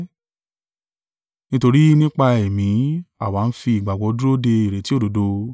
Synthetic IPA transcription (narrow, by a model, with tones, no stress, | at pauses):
nĩ˦to˧ɾi˦nĩ˦k͡pa˧ɛ˨mĩ˨˦a˦˨wa˨˦˧n̩˦fi˧i˨ɡ͡ba˨ɡ͡bɔ˨˧˦du˦ɾo˦de˧i˨ɾe˨ti˦o˦do˨˦do˧